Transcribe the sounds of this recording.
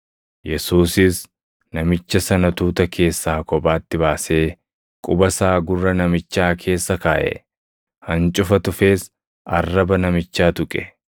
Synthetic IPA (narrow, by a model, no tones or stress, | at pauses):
jɛsuːsɪs | nɐmɪt͡ʃːɐsɐnɐt̪uːt̪ɐkʰe̞ːsːaːkɔbʼaːt̪ːɪbaːse̞ː | kʼʊbɐsaːɡʊrːɐnɐmɪt͡ʃːaːkʰe̞ːsːɐkaːʔɛ̰ | hɐnt͡ʃʼʊfɐt̪ʊfe̞ːs | ɐrːɐbɐnɐmɪt͡ʃːaːt̪ʊkʼɛ̥